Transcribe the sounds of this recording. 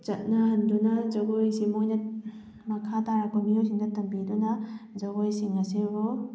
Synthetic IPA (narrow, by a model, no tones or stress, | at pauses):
t͡ʃɐt̚nɐhɐndunɐzɐɡojsimojnɐ | mɐkʰataɾakʰomiojsiŋdɐtɐmbidunɐzɐɡojsiŋɐsebɔ